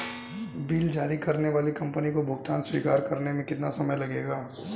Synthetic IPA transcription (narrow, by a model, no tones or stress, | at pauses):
biːld͡ʒaːɾikɐɾneʋaːlikɐ̃mpənikobʱʊɡt̪aːnswiːkaːɾkɐɾnemẽkɪt̪nasɐməjlɐɡeːɡaː